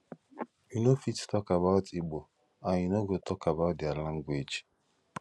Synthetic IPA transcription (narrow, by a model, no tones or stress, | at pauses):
inofittɔkaβaʊtiɡ͡bo | aɲɪnoɡotʰɔkabaʊtdialãŋɡwʷed͡ʒ